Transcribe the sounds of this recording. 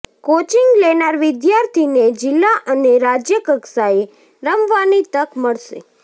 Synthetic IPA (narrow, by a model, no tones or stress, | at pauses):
kot͡ʃiŋɡlenaɾʋɪd̪jaɾt̪ʰined͡ʒɪlːaʔəneɾad͡ʒjəkəksae | ɾəmʋanit̪əkməɭʃḛ